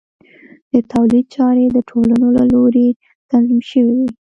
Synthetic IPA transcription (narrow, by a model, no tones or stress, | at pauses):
d̪ət̪awlid̪̚t͡ʃɑɾed̪əʈʰolanolaloɾe | t̪anzimʃəwiwi